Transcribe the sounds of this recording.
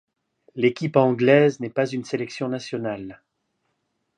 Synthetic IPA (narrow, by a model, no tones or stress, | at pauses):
lekʲipɑ̃ɡlɛznɛpazynselɛksjɔ̃nasjɔnal